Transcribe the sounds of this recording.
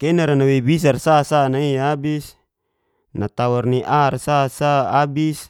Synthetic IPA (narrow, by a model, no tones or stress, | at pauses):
kɛnaɾanawɛbis̬arsasanaiabis | nat̪awarniʔarsasaːbis